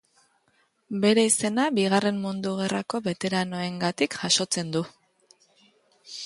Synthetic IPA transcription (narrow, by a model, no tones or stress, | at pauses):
be̞ɾe̞ise̞nabiɣare̞mmund̪uɣ̞e̞rako̞βe̞t̪e̞ɾano̞e̞ŋɡat̪ikʝaʃo̞t͡se̞nd̪u